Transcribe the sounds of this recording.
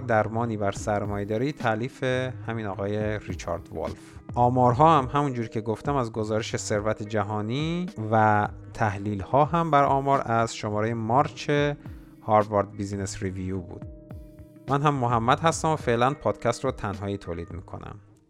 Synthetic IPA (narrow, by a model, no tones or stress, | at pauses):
d̪æɾmɒːniːbæɾsæɾmɒːjed̪ɒːɾit̪ʰæʔliːfehæmiːnɒːɣɒːje̞ɾit͡ʃʰɒ̰ːɾd̪vo̰lfʔɒːmɒːɾɦɒːhæmhæmund͡ʒuːɾcʰe̞ɡoft̪æmæzɡo̞zɒːɾeʃese̞ɾvæt̪ʰed͡ʒæɦɒːniːvæt̪ʰæhliːlhɒːɦæmbæɾɒ̰ːmɒːɾæz̥ʃomɒːɾejemɒːɾt͡ʃʰe | hɒɾvɑɾd̪̚bizinesɾivijubṵd̪̥ | mænɦæmːoɦæmːæd̪̥hæst̪æmofe̞ʔlænpʰɒːd̪̥cʰæst̪ɾot̪ʰænɦɒːiːt̪ʰoːliːd̪miːkʰo̞̰næ̰m